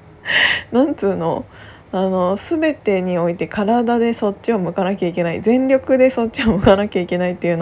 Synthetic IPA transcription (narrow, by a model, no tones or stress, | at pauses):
nãnt͡sɨːno̞̰ | ano̞sɨbe̞t̪e̞ɲ̟io̞it̪e̞kaɾad̪ad̪e̞so̞tt͡ɕio̞mɯ̟kanakʲaikʲe̞naḭzẽ̞nɾʲo̞kɯ̟d̪e̞so̞t̚t͡ɕːɕiomɯ̟kanakʲaikʲe̞nait̪ːe̞jɯ̟no